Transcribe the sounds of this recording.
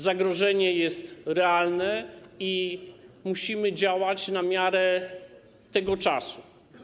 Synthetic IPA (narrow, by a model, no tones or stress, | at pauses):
zaɡɾɔʐɛɲɛjɛst̪ɾɛalnɛi | muɕimɘd͡ʑawat͡ɕnamʲjaɾɛ | t̪ɛɡɔt͡ʂa̰su